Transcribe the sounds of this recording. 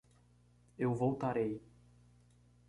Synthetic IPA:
ewvowt̪aɾej

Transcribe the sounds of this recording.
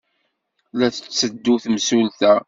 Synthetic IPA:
læθə̥t͡sːəd̪ːuθmsulθæ

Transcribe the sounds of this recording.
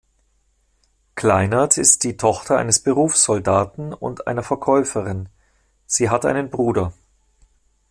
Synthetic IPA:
kʰl̥aɪnatɪstd̥iːtʰɔχtʰɐʔa̰ɪnəsb̥əʁuːfsz̥ɔldaːtn̩ʊ̰ntʔa̰ɪnɐfɛɐkʰɔʏfəʁɪn | z̥iːɦatʔa̰ɪnənbʁuːdɐ

